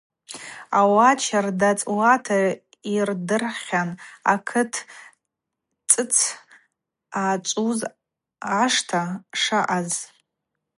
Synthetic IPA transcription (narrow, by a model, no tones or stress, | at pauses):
awat͡ʃʰardat͡sʼwatʰa | irdɨrχʲana̰kʰɨtʰ | t͡sʼɨt͡sʰ | at͡ʃʷʼuz | aʂtʰaʂaʔaz